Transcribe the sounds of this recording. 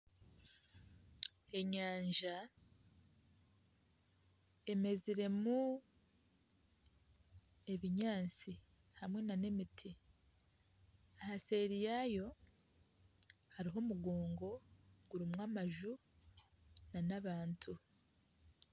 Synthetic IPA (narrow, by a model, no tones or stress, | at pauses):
e̞ɲaːɲʒa | e̞me̞ziɾe̞mu | e̞βiɲaːnt͡si | hamŋe̞nane̞mitʰi | ahase̞ɾijajo̞ | haɾiɦo̞muɡoːŋɡo̞ɡ̥uɾimŋamaʒu | nanaβaːntʰu